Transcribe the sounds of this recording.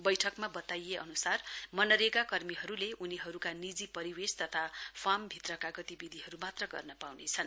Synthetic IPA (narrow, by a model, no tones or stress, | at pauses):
bʌjʈʰʌkmabʌt̪ajeʔʌ̰nusarmʌnʌɾeɡakʌrmiɦʌɾuleʔuniɦʌɾukanid͡zipʌɾiwest̪ʌt̪ʰapʰambʱit̪rʌkaɡʌt̪ibid̪ʱiɦʌɾumat̪rʌɡʌ̰rnʌpawnet͡sʰʌn